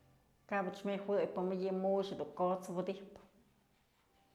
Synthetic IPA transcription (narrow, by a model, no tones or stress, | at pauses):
kabɨt͡ʃmʲewɨjpɨmɨjɨmuʃed̪uŋkot͡swɨd̪ipɨ